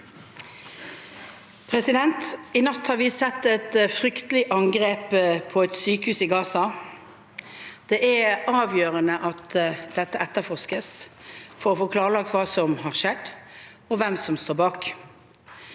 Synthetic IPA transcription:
pʰʁɛsɪd̪ɛnt̪ɪnɑt̪ːhɑːʁɾʋɪsɛt̪ːɛt̪fʁʏkt̪lɪʔɑŋɡʁeːppʰːɔɛt̪syːkəhʉːsɪɡɑːsɑ | d̪̥eːʔæɑːʋjøːʁənəʔɑt̪d̪̥ɛt̪ːəʔɛt̪ːəfɔʁskəsfɔɾɔfoːkʰlɑːʁəlɑk̚t̪ʋɑːsɔmhɑʁʃɛd̪ | ɔʋɛmsɔmst̪oːbɑːk

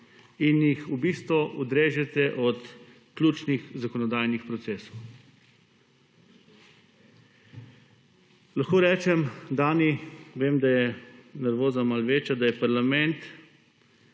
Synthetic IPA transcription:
injixubist̪ʋɔʔɔd̪ɾeːʒɛt̪ɛʔɔt̪ | klʲuːt͡ʃnixzakɔnɔd̪aːjnixpɾɔt̪sɛːsɔw | laxkoːɾɛːt͡ʃɛmd̪aːniʋeːmd̪ajɛnɛɾʋoːzamalʋeːt͡ʃad̪ajɛpaɾlamɛnt̪

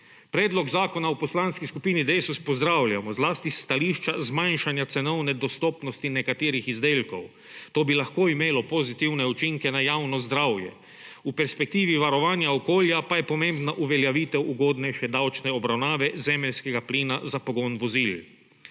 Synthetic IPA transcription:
pɾɛːd̪lɔɡzaːkɔnaupɔslanskiskupiːnid̪esuspɔzd̪ɾawlʲjamɔzlaːst̪ist̪aliːʃt͡ʃazmajnʃanjat̪sɛnɔwnɛd̪ɔst̪ɔːpnɔst̪inɛkat̪eːɾixizd̪eːlkɔw | t̪oːbilaxkoimeːlɔpozit̪iwnɛut͡ʃiŋkɛnajaːwnɔzd̪ɾawjɛ̰ | upɛɾspɛk̚t̪iːʋiʋaɾɔʋaːnjaɔkoːljapajɛpɔmẽmbnaʔuʋɛljaʋiːt̪ɛwuɡoːd̪nɛjʃɛd̪awt͡ʃnɛɔbɾawnaːʋɛzɛmɛlskɛɡapliːnazapɔɡonʋɔziːl

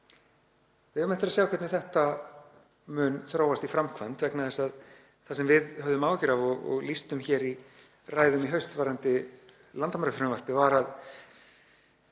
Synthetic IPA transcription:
vɪmɛht̪ɪɾasjaːwkʰɛt̪nɪθɛht̪a | mʏnθɾaːwast̪ifɾamkʰvant̪vɛknaðɪsað | θasɛmvɪðhœvðʏmaːwcɪɾavɔɣɔ̰ɣlist̪ʏmçɛːɾi | raːjðʏmiɦœɥst̪vaːɾant̪ɪ | lant̪amɾœfɾnvar̥pɪvaɾað

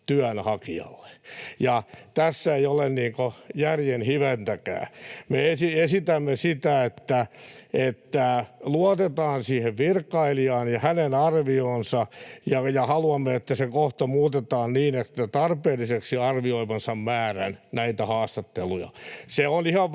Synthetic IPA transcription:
t̪yænhɑkiɑ̰lːe̥jɑt̪æsːæeijolenniːŋkojærjenhiʋent̪ækæ̰ːmeesiesit̪æmːesit̪æet̪ːæet̪ːæluot̪et̪ɑːnsiːheʋʋirkːɑiliɑːnjɑhænenɑrʋioːnsɑjɑjɑhɑluɑmːeet̪ːæsekoht̪omuːt̪et̪ɑːnniːnet̪ːæt̪ɑrpeːlːˑiseksiɑrʋioimɑnsɑmmæːrænnæit̪æhɑːst̪ɑt̪ːelujɑ̰seonihɑʋ

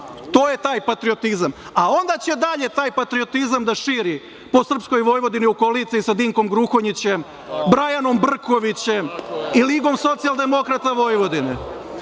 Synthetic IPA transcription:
t̪oːje̞t̪aːjpat̪ɾio̞t̪izamao̞nd̪at͡ɕe̞d̪aʎe̞t̪aːjpat̪ɾio̞t̪izamd̪aʃiːɾi | po̞sr̩psko̞jʋo̞jʋo̞d̪iniukolit̪siisad̪iŋko̞mɡɾuxoɲit͡ɕem | bɾajano̞mbr̩ko̞ʋit͡ɕe̞miliɡo̞mso̞t̪sijalˠd̪e̞mo̞kɾat̪aʋo̞jʋo̞d̪ine

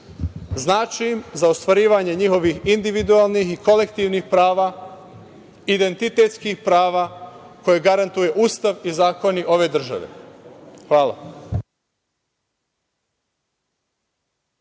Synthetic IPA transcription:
znaːt͡ʃiimzaost̪ʋaɾiːʋaɲe̞ɲixo̞ʋixind̪iʋid̪ualˠnixiko̞le̞kt̪iːʋnixpɾaːʋa | id̪e̞nt̪it̪e̞t̪skixpɾaːʋako̞jeɡaɾant̪uje̞ʔuːst̪aʋizaːko̞niʔo̞ʋe̞d̪r̩ʒa̰ʋḛ | xʋaːla̰

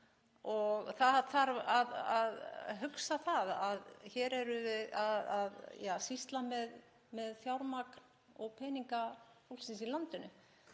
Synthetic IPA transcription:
ɔɣθaðaθaɾaðaðɦʏksaθaðaðçɛɾɛɾʏvɪðaðaðjaːsist̪lamɛð | mɛðθjawɾmakn | ɔɣpʰɛːniŋkahulsinsilant̪ʏnʏ

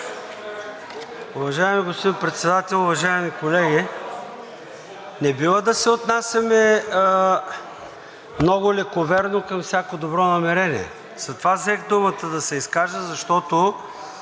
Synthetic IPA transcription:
ʊvɐʒaɛmiɡospod̪ipɾɛt̪sɛd̪at̪ɛlˠʊvɐʒaɛmikolɛɡʲi | nɛbivəd̪ɐsɛot̪nasʲɐmɛ | mnɔɡʊlɛkovɛɾnokɐmfsʲjakod̪obɾɔnɐmɛɾɛnḭɛ̰ | z̥ɐt̪ovazɛxd̪umət̪əd̪ɐsɛiskaʒəzɐʃt̪ɔt̪o

